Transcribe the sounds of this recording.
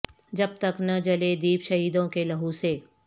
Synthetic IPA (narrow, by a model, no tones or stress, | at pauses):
d͡ʒɐb̚t̪ɐknɐd͡ʒɐled̪iːpʃɐɦiːd̪õkelɐɦuseː